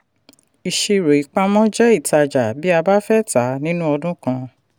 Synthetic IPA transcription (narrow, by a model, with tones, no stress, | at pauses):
i˨ʃe˧ɾo˨i˨k͡pa˧mɔ̃˦d͡ʒɛ˦i˦˨ta˧d͡ʒa˨bi˦a˧ba˦fɛ˦ta˨˦nĩ˦nũ˦ɔ˧dũ˦kã˧